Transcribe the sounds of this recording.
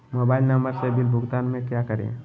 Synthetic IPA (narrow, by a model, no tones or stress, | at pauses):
moːbaːɪlnəmbəɾsebɪlbʱʊɡt̪aːnmẽkjakəɾḛ̃